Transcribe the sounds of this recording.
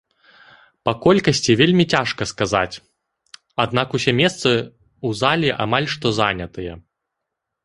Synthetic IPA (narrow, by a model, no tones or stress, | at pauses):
pɐkɔlʲkɐsʲt͡sʲivʲelʲmʲit͡sʲaʂkɐskaza̰t͡sʲ | ad̪̚nakusʲɛmʲɛst̪sɨ | uzalʲiʔa̰malʲʂt̪ɔzanʲɐt̪ɨjɛ